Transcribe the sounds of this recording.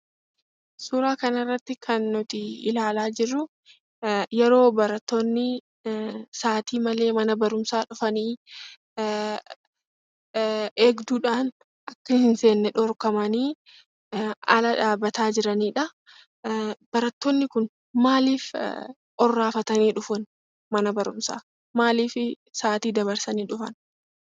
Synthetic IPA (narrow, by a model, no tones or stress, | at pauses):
suːɾaːkɐnɪrːɐt̪ːɪkʰɐnːʊt̪ɪɪlaːlaːd͡ʒɪrːʊ | jɛɾo̞ːbɐɾɐt̪ːɔnːɪ | saːt̪iːmɐle̞ːmɐnɐbɐɾʊmsaːᶑʊfɐniː | eːɡd̪uːᶑaːn | ʔɐkːɐhɪnse̞ːnːɛᶑɔɾkɐmɐniː | ɐlɐᶑaːbɐt̪aːd͡ʒɪɾɐniːᶑɐ | b̥ɐɾɐt̪ːɔnːɪkʊn | maːliːf | ʔɔrːaːfɐt̪ɐniːᶑʊfʊn | mɐnɐbɐɾʊmsa̰ː | maːliːfɪ | saːt̪iːd̪ɐβɐɾsɐniːᶑʊfɐn